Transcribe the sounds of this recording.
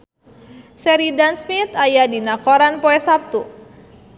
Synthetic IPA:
sɛɾidansmit̪ajadinakoɾanpoɛsap̚t̪u

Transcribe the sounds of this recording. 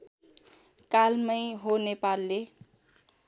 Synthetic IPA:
kalmʌjɦonepalːe

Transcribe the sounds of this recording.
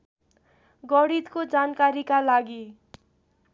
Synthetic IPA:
ɡʌɽit̪kod͡zankaɾikalaɡi

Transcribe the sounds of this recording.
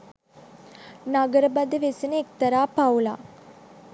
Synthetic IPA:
naɡəɾəbad̪əʋesinəek̚t̪ɐɾaːpawla̰ː

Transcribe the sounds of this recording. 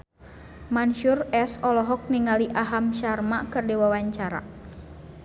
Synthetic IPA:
manʃurɛsɔlɔɦɔk̚niŋaliʔaɦamʃarmakɨrdiwawaɲt͡ʃaɾa̰

